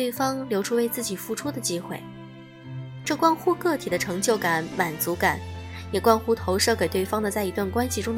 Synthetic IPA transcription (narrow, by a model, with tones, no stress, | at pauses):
we˥˩ɪfɑ˥ŋljo˧˥ʊʈ͡ʂʰu˥we˥ɪt͡sɹ̩˥˩t͡ɕi˨˩fu˥˩ʈ͡ʂʰu˥d̪ə˨t͡ɕi˥xwḛ˥˩ɪ | ʈ͡ʂɤ˥˧˩kwɑ˥˧nxu˥˧kɤ˥˩t̪ʰi˨˩d̪ə˦ʈ͡ʂʰɤ˧˥ŋt͡ɕjo˥˩ʊka˧˩˦nma˨˩nt͡su˧˥ka˨˩˦njɛ˨˩kwɑ˥nxu˥t̪ʰo˧˥ʊʂɤ˥˩ke˨˩ɪt̪we˥˩ɪfɑ˥ŋd̪ə˨t͡sa˥˩ɪi˧˥t̪wa˥˩nkwa˥nɕi˨ʈ͡ʂʊ˥ŋ